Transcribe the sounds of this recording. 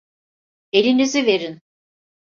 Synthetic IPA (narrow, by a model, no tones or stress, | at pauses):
e̞lʲinizive̞ɾin